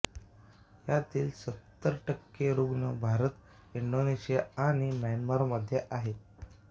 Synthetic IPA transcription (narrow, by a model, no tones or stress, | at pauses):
jat̪iːlsət̪ːəɾʈəkːeɾuɡɳəbʱaɾət̪ | iɳɖoneɕijaaɽ̃imanmaɾməd̪ʱːjeʔaɦe